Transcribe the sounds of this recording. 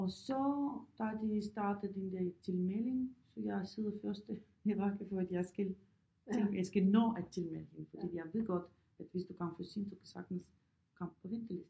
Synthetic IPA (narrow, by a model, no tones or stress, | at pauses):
ɒ̽sɒ̽d̥ɑd̥isd̥ɑ̈ːd̥ð̩ˠd̥end̥æɐt͡sʰe̝lmele̝ŋsɒ̽jɑɪɐseð̩ˠfɶɐsd̥ə | jɑb̥ɑ̈ːkʰæfɔːæd̥jɑ̈ɪsɡ̥ælʰ | eŋɡjasɡ̥ænɔ̰ːæt͡sʰe̝lmelheŋfɒd̥ḭːjɑ̈ɪʋe̝̰ɡ̥ɒ̽d̥ | æd̥ʋe̝sd̥ukʰɑm̰fɔsiːnsukʰæsɑ̈ɡ̥d̥n̩s | kʰɑ̈m̰b̥̚pʰɒ̽ʋend̥əlesd̥